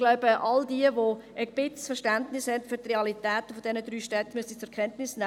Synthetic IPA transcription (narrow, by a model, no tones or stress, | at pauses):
ɡ̥laʊb̥əʔɑldiəʋoəb̥ɪt͡sfəɾʃtændnɪshɛntfyɾt̪reɑlitɛːt̪fod̥̪ɛnəd̪ɾyːʃtɛt̪ːəmystit͡sɛɾkʰɛntnɪsnɛ